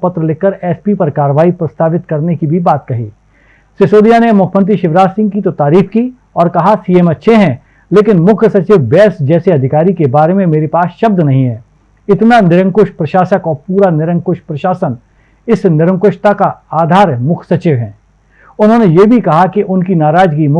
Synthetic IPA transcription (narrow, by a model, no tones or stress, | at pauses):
pɐt̪ɾəlɪkːəɾɛːspipɐɾkaːɾəʋaːipɾɐst̪aːʋɪt̪kɐɾnekibʱibaːt̪̚kɐɦḭː | sɪsoːd̪ijanemʊkʰjmənt̪iʃɪʋɾaːsɪ̃ŋɡ̚kit̪ot̪aːɾiːfki | ɔːɾkɐɦasiːɛmɐtːʃʰeɦɛ̃ | leːkɪnmʊkʰsɐt͡ʃɪʋbɛːsd͡ʒɛːseɐd̪ʱɪkaːɾikebaːɾemẽmeːɾepaːsʃɐb̚d̪nɐɦĩɦɛ̃ː | ɪt̪nanɪɾə̃ŋkʊʃpɾɐʃaːsəkɔːɾpuːɾanɪɾə̃ŋkʊʃpɾɐʃaːsən | ɪsnɪɾə̃ŋkʊʃt̪akaaːd̪ʱaːɾmʊkʰsɐt͡ʃɪʋɦɛ̃ː | ʊnɦõːnejebʱikɐɦakiʔʊnkinaːɾaːd͡ʒɡimʊ